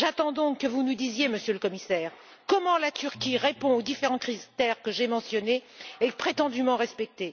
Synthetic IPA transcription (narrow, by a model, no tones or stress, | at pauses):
ʒat̪ɑ̃d̪ɔ̃kːəvunud̪izjeməsjøləkɔmisɛːʁ | kɔmɑ̃lat̪yʁkʲiʁepɔ̃od̪ifeʁɑ̃kχizt̪ɛʁkəʒemɑ̃sjɔneːpχet̪ɑ̃d̪ymɑ̃ʁɛspɛk̚t̪e